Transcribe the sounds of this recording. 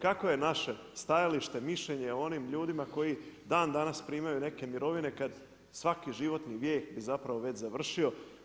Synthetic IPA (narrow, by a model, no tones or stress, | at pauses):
kako̞je̞naʃe̞st̪ajaliʃt̪e̞miʃʎeɲeoo̞nimʎuːd̪imako̞jid̪aːnd̪anaspɾiːmajune̞ke̞miɾo̞ʋine̞kad̪ | sʋakiʒiʋo̞t̪niʋjeːxbizapɾaʋoʋe̞t͡ɕzaʋr̩ʃio̞